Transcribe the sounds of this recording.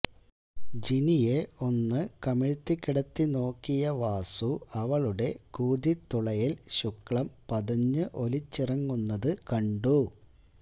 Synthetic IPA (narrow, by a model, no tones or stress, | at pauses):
d͡ʑinijeo̞nːɨkɐmiɻt̪ːikːiɽɐt̪ːino̞ːkːijɐʋaːsuɐʋɐɭuɽe̞kuːd̪it̪ːuɭɐjilɕukːɭɐmpɐðɐɲːɨʔo̞lit͡ɕːirɐŋːunːɐðɨkɐɳɖu